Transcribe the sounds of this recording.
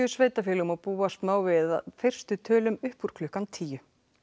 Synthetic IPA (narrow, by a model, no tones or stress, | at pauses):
ʏsveːjt̪afjɪːlɣmapuːast̪maːwvɪːða̰fɪr̥st̪ʏt̪ʰœːlʏmʏhpuɾ̥kʰlʏhkant̪ʰiːjʏ